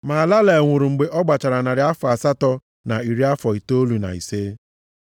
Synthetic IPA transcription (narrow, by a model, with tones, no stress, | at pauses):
ma˨la˦le˨ŋʷʊ˨ɾu˨ŋ͡m̩˨ɡ͡be˨ʔɔ˦ɡ͡ba˨t͡ʃa˨ɾa˨na˨ɾɪ˨a˦fa˨sa˦tɔ˦ | na˨i˨ɾi˦a˦fɔ˨i˨to˦o˦lu˨na̰˨ḭ˨se˦